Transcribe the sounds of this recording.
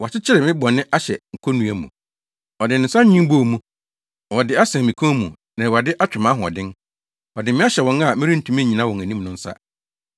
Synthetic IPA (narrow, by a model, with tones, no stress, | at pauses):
wa˨t͡ɕɪ˦t͡ɕʰɪ˦ɾɛ˨mɪ̃˦bɔ˨nɪ̃˦ʔa˦ɕɛ˨ŋ̩˨kʰɔ˦nũ˨˦æ˦mṵ̃˨ | ɔ˨dɪ˨n˨n̩˨sa˦ĩ˦bo˦˨mũ˦˨ | wɔ˨dɪ˦a˦sã˨mĩ˨kʰõ˦mũ˨ | nã˨wa˨dɪ˦ʔa˦t͡ɕᶣɪ˨mã˦ɦʊ̃˨ɔ̰˨dɪ̃˦n | ɔ˨dɪ˨mɪ̃˦ɕɛ˨wɔ̃˨ŋa˨mɪ̃˦ɾĩ˦n̩˦tʰũ˨mĩ˦ɲĩ˨nã˦wɔ̃˨ŋæ̃˨nĩ˦mnʊ̃˦n̩˦sa̰˦